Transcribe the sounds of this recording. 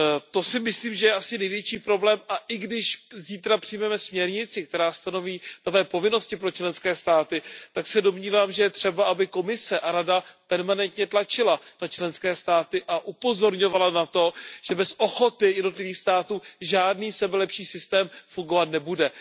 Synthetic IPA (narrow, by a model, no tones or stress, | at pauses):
t̪o̞sɪmɪsliːmʒɛjɛʔasɪnɛjvjɛt͡ʃiːpɾo̞blɛːmʔaʔɪɡdɪʃziːt̪ɾapr̥ɪjmɛmɛsmɲɛɾɲɪt͡sɪk̚t̪ɛɾaːst̪ano̞viːnovɛːpo̞vɪno̞scɪpɾot͡ʃlɛnskɛːst̪aːt̪ɪt̪aksɛdo̞mɲiːvaːmʒɛjɛt̪r̝̥ɛbaʔabɪko̞mɪsɛʔaɾadapɛɾmanɛnt̪ɲɛt̪lat͡ʃɪlanat͡ʃlɛnskɛːst̪aːt̪ɪʔaʔupo̞zo̞ɾɲo̞valanat̪o̞ʒ̥ɛbɛsʔo̞xo̞t̪ɪjɛdno̞t̪lɪviːxst̪aːt̪uːʒaːdniːsɛbɛlɛpʃiːsɪst̪ɛːmfuŋɡovat̪nɛbudɛ